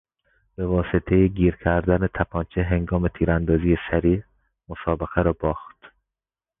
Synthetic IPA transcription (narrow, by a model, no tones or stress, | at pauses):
b̥e̞vɒːse̞t̪ʰe̞jeɡiːɾcʰæɾd̪ænet̪ʰæpʰɒːnt͡ʃʰeɦe̞ŋɡɒːme̞t̪ʰiːɾænd̪ɒːziːjesæɾiː | mosɒːbeɣæɾɒːbɒːχt̪